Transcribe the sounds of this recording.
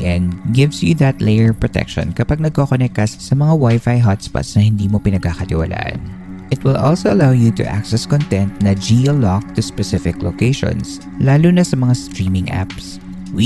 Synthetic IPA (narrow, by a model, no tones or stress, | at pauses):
ʔɛ̃nɡɪvsjuðɐt̪lejɛɹpɹɔt̪ɛ̰kʃɔ̰̃nkɐpaɡ̚nɐɡ̚kokonɛk̚kɐsːɐmɐŋawajfajɦɔt̪spa̰tsnɐhɪ̃nd̪iːmopɪnɐɡ̚kakɐt̪ɪwɐ̰lʔa̰ːʔɐ̰n | ʔɪt̪̚wɪlʔɔlsoʔɐlawjut̪ʊ̰ʔa̰ksɛskɔnt̪ɛ̃nt̪nɐd͡ʒilɔk̚t̪ʊspɛsɪfɪklo̰kejʃɔ̰̃ns | laːluːnɐsɐmɐŋast̪ɹiːmɪ̃ŋʔa̰ps | w